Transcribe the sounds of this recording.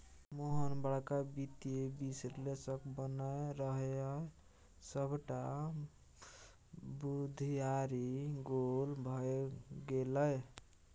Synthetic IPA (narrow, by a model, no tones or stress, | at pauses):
moɦənbaɽkabit̪iebisɾlesəkbənaeɾəɦe | səbʱʈa | bud̪ʱijaɾiɡolbʱʌɡeləj